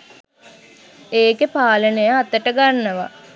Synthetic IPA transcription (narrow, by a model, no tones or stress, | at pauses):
eːkepaːlənəjaːt̪əʈəɡanːəʋa̰